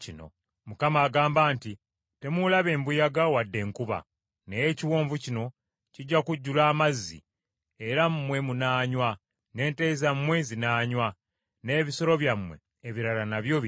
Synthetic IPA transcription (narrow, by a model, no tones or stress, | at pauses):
cino̞̰ | mukamaːɡaːmbaːnti | te̞mulaβe̞ːmbujaɡawadːe̞ːŋkuβa̰ | nejeciwoːɱvucino̞ | ciɟːakuɟːulaːmazːḭ | eɾammwe̞munaːɲwa | ne̞ːnte̞zamwe̞zinaːɲwa | ne̞ːβiso̞ɾo̞βjamwe̞̰ːβiɾalanaβjo̞